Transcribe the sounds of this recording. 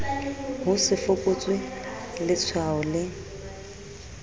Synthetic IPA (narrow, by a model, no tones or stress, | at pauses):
ɦʊsɪfʊkʼot͡sʼwɪlɪt͡sʰwaɔlɪ